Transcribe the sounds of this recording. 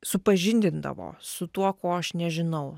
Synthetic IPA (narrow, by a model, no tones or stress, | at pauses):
sʊpɐʒʲɪnʲd̪ʲɪnd̪ɐ̰ʋo̰ːsʊt̪uɔkoːɐʃnʲɛʒʲɪnɐʊ